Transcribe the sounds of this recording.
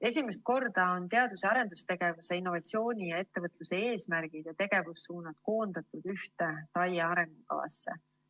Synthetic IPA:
e̞sʲimest̪̚ko̞rd̪̥ɑo̞nt̪e̞ɑd̪useɑɾe̞nd̪̥ust̪e̞ɡ̥e̞vuse̞inːo̞vɑt̪sio̞ːnʲijɑe̞t̪ːe̞vɤt̪ˑluse̞eːsmæɾɡ̥id̪̥jɑt̪e̞ɡ̥e̞vusːuːnɑt̪ko̞ːnd̪̥ɑt̪ːud̪̥yht̪e̞t̪ɑjeɑɾe̞ŋɡ̥ukɑ̰vɑ̰sːe̞̰

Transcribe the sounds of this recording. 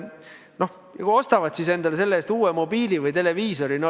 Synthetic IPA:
no̞h | jɑkuo̞st̪ɑvɑd̪̥sise̞nd̪ɑlese̞lːeeːst̪uːwemo̞biːlivɯjt̪ele̞viːso̞ɾinɑ

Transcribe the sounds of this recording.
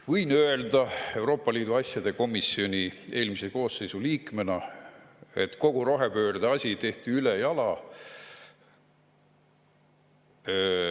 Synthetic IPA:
vɯjnøe̞ld̪ɑe̞wɾo̞ːpˑːɑliːd̪uɑsʲjɑd̪̥e̞ko̞misːio̞nʲie̞ːlmiseko̞ːsːe̞jsuliːkmenɑ | e̞̰t̪ˑko̞ɡ̥uɾoɦepø̞ːrd̪eɑsʲit̪e̞ht̪iylejɑlɑ

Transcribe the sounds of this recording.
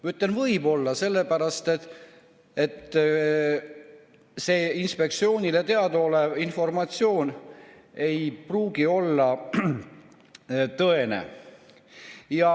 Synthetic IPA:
mɑyt̪ːlenvɤjbo̞lːɑse̞lːe̞pæɾɑst̪et̪ | et̪ː | se̞ːinspe̞k̚t̪sio̞ːnʲilet̪e̞ɑd̪oleinfo̞rmɑt̪sio̞ːn | e̞jpruːɡ̥io̞lːɑ | t̪ɤe̞nḛ | jɑ

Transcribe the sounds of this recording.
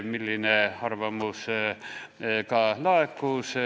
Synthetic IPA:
milːinehɑrʋɑmus | kɑlɑekːuːs

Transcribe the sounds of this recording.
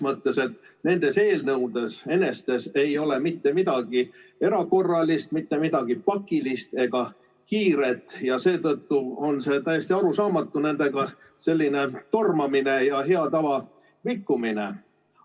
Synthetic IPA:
mɤt̪ːe̞se̞t̪ne̞nd̪̥e̞se̞ːlnɤwd̪e̞se̞ne̞st̪e̞se̞jo̞le̞mit̪ːe̞mid̪̥ɑɡie̞ɾɑko̞rːɑlist̪mit̪ːe̞mid̪ɑɡ̥ipɑkːˑilist̪e̞ɡ̥ɑ | kiːɾe̞t̪ːˑjɑse̞ːt̪ɤt̪ːuo̞nse̞t̪æjesʲt̪iɑɾusɑːmɑt̪ːˑune̞nd̪e̞ɡɑ | se̞lʲːine̞t̪o̞rmɑmine̞jɑɦe̞ɑt̪ɑvɑ | vikːuminḛ

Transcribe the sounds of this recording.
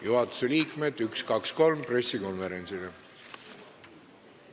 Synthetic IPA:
juɦɑt̪ːˑu̥seliːkme̞d̪̥ykskɑksko̞lmpre̞sːiko̞nve̞ɾe̞nʲsil̥e

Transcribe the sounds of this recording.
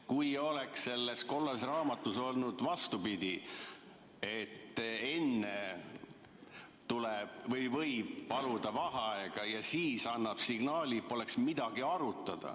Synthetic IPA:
kujo̞le̞ksːe̞lːesko̞lːes̬rɑːmɑt̪ːˑuso̞lnud̪̥vɑst̪upid̪̥i | e̞t̪ːe̞nːe | t̪uleb̥vɤjvɤjb̥ːɑlud̪̥ɑvɑɦɑɑeɡ̥ɑjɑsiːsɑnːɑb̥siɡ̥nɑːlʲipːo̞le̞ksmid̪̥ɑɡ̥iɑɾut̪ːˑɑd̪̥ɑ̰

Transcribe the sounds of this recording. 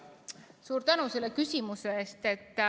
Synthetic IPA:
suːɾt̪ænuse̞lːekysʲimuse̞eːst̪e̞t̪ː

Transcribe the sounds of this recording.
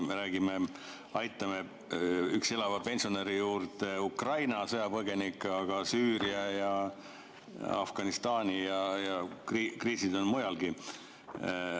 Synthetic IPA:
meɾæːɡ̥ime | ɑjt̪ːˑɑme | ykse̞lɑvɑpe̞nsione̞ɾijuːɾt̪eukrɑjnɑsɤjɑpɤɡ̥e̞nikːˑɑɡ̥ɑsyːɾiɑjɑ | ɑ̰fɡ̥ɑnist̪ɑːnʲijɑjɑkrikriːsid̪o̞nmujɑlɡ̥i

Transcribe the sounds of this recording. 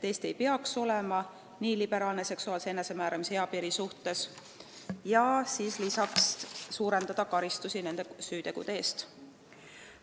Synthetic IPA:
t̪e̞ːst̪e̞jpeɑkso̞le̞mɑ | niːlib̥e̞ɾɑːlne̞se̞ksuɑːlsee̞nːe̞se̞mæːɾɑmisheɑpiːɾisuht̪e̞s | jɑsiːslisɑkssuːɾe̞nd̪̥ɑd̪̥ɑkɑɾist̪usine̞nd̪esyːt̪e̞ɡ̥ṵd̪eeːst̪

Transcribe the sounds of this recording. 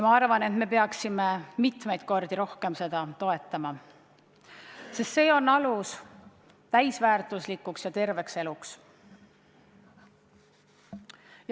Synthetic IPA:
jmɑɑrvɑne̞t̪me̞pe̞ɑksimemit̪me̞jd̪̥̚ko̞rd̪̥iɾo̞hke̞mse̞d̪̥ɑt̪o̞e̞t̪ːˑɑmɑ | sest̪se̞ːo̞nːɑlus | t̪æjsvæːrt̪ˑuslikːˑuksjɑt̪e̞rve̞kse̞luks | j

